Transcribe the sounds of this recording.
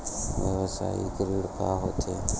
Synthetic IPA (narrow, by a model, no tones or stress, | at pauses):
ʋəʋosa̰ːḭkəɾiɽkaːɦot̪ʰeː